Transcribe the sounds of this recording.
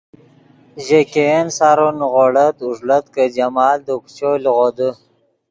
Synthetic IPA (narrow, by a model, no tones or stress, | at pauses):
ʑekeensaɾonɣoɽət̪uʐlət̪kəd͡ʑamɑːld̪əkt͡ʃolɣod̪ə